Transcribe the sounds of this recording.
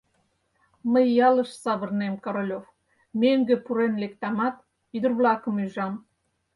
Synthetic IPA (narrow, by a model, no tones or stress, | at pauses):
məjːɑlə̆ʃsɑβə̆rnemkoɾolʲof | meŋɡĕpuɾenlek̚t̪ɑmɑt̪̚ | yd̪ə̆rβlɑkəmyʒɑm